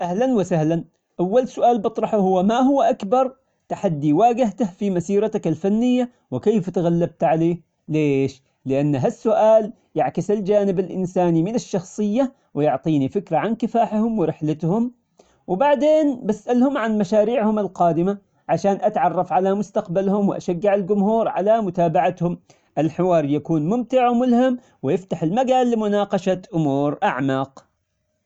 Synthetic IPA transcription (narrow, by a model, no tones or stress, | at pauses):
ʔahlanwɪsahlan | ʔawːalsʊʔaːlbɨt̪ˤɾˤɑħuhʊwːamahʊwːʔakbɑɾˤ | t̪aħad̪ːiwaːɡɪht̪ahfimasiːɾɑt̪akalfanːɪjːa | wɪkeːft̪ɣalːab̚t̪ʕaleː | leːʃ | lɪʔanːɦasːʊʔaːl | jaʕkɪsald͡ʒaːnɪbalʔɪ̰nsaːnimɪnaʃːɑxsˤɨjːa | wɪjʊʕt̪ˤiːnifɪkɾaʕankɪfaːħhʊmwɪɾɪħlɪt̪hʊm | wɪbaʕd̪eːnbasʔalhʊmʕanmaʃaːɾiːʕhʊmɪlqɑːd̪ɪma | ʕaʃaːnʔat̪ʕɑrˤːɑfʕalamʊst̪aqbalhʊmwɪʔa̰ʃaɡːɪʕɪlɡʊmhuːɾʕa̰lamʊt̪aːbaʕat̪hʊm | ʔɪlħɪwɑːɾˤjakuːnmʊmt̪ɪʕmʊlham | wɪjɪft̪aħɪlmaɡaːlːɪmʊnɑːqɑʃat̪ʔʊmuːɾʔaʕmaːq